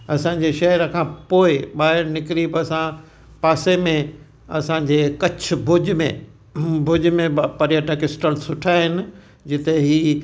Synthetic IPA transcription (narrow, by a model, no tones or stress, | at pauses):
ɐsã̆ːd͡ʑeʃɐɦəɾəkʰãːpoːɪɓaːɦɪɾnɪkɾiːbɐsã | paːsemẽ | ɐsãɲ̆d͡ʑeːkɐt͡ɕʰʊ̆bʱʊd͡ʑmḛ̃ | bʱʊd͡ʑmẽpɐɾjəʈəkɪsʈəlsʊʈʰaːɦɪnɪ̆ | d͡ʑɪt̪eɦiː